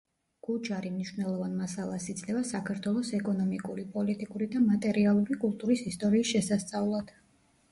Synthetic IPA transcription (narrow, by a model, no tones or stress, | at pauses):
ɡ̥ud͡ʒaɾimniʃvnɛlˠɔvanmasalˠasid̪sʼlɛvasakʰaɾt̪ʰwɛlˠɔsɛkʼɔnɔmikʼuɾipʼɔlit̪ʼikʼuɾid̪amat̪ʼɛɾialˠuɾikʼulˠt̪ʼuɾisist̪ʼɔɾiːsʃɛsast̪sʼaulˠad̪̥